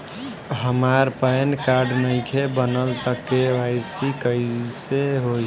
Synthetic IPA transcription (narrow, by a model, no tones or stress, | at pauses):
ɦəmaɾpənkaɾɖnəɪkʰebənəlt̪əkːeʋaɪsikəseɦoi